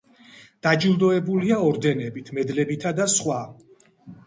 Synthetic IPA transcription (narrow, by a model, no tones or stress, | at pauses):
d̪̥ad͡ʒilˠd̪ɔɛbuliaɔɾd̪ɛnɛbit̪ʰmɛd̪lɛbit̪ʰad̪asχwa